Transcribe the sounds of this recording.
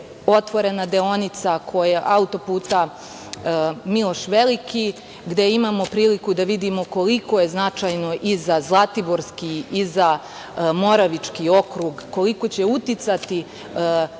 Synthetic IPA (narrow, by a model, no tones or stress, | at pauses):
o̞t̪ʋo̞ɾe̞nad̪eo̞nit̪sakʰo̞jaʔaut̪o̞puːt̪a | milˠo̞ʃʋeliki | ɡd̪e̞imaːmo̞pɾiːlikud̪aʋid̪imo̞ko̞liko̞je̞znat͡ʃajno̞ʔizazlˠat̪ibo̞ɾskiiza | mo̞ɾaʋit͡ʂkio̞kɾuɡːo̞liko̞t͡ɕe̞ut̪it̪sat̪i